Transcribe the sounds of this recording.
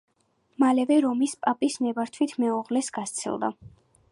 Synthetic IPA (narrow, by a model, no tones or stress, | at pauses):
malɛvɛɾɔmispʼapʼismɛbaɾt̪ʰwit̪ʰmɛuʁlɛsɡ̥ast̪sʰḭlˠd̪a̰